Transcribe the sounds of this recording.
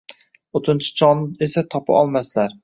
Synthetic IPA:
ot̪ʰɪnt͡ʃʰɪ̥t͡ʃʰɒnɪesat̪ʰɒpʰa̰ʔɒlˠmaslaɾ

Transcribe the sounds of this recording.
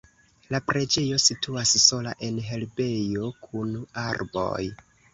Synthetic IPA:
lapɾe̞d͡ʒe̞jo̞situasso̞laʔe̞nɦe̞lbe̞jo̞kʰunaɾbo̞̰j

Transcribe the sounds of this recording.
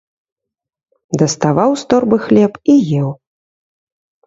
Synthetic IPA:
d̪ɐst̪avawst̪ɔrbɨxlʲɛpijɛw

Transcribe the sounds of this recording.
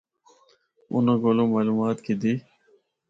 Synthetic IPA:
ʊ̰nãːɡoːlõːmaːluːmaːt̪kid̪iː

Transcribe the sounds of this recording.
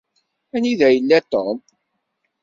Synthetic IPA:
æniðæjəlːæt̪om

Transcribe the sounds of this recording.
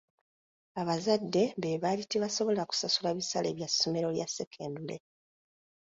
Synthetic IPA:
aβazadːe̞βeβaliteβaso̞βo̞laku̥sasulaβisalḛːβjasːo̞me̞ɾo̞ljasːe̞kʰe̞ːndule̞̰

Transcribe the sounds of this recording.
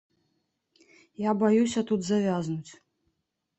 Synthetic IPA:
jabajusʲɐt̪ud̪zavʲaznut͡sʲ

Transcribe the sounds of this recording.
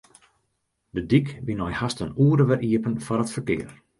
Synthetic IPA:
dədikʋinɔjhastənuːədəʋɛrʔiəpənfɔrətfərkɪ̰ːər

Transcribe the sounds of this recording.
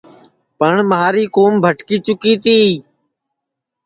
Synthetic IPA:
pəɳməɦaːɾiːkoːmbʱəʈkiːt͡ʃʊkiːt̪iː

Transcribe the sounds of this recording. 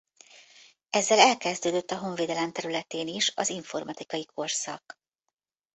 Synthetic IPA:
ɛzːɛlɛlkɛzd̪øːd̪øt̪ːɒɦo̞ɱveːd̪ɛlɛmt̪ɛɾylɛt̪eːniʃɒ̰ziɱfo̞rmɒt̪ikɒjikʰo̞rsɒ̰k

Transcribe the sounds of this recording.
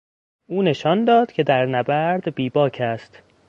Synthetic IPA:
ʔuːne̞ʃɒːnd̪ɒːd̪̥cʲʰe̞d̪æɾnæbæɾd̪biːbɒːcʰæst̪

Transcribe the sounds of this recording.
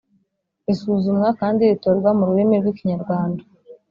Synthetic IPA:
isuːzumŋakaːndiitoɾɡwamuɾuemeɾɡwiciɲaɾɡwaːnda

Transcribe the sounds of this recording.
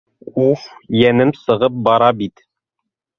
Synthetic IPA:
ufjænɘmsɤ̆ʁɤp̚bɑɾɑbit̪

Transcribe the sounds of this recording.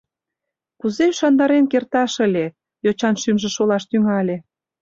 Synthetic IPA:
kuzeʃɑnd̪ɑɾemkert̪ɑʃə̆lʲe | jot͡ɕɑnʃymʒĕʃolɑʃt̪yŋɑlʲe

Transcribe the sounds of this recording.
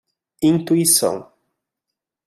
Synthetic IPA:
ĩnt̪uisɐ̰̃w̃

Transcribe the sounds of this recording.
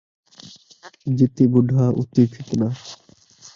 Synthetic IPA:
d͡ʑit̪ːibuɖʱaʔṵt̪ːifʰit̪na

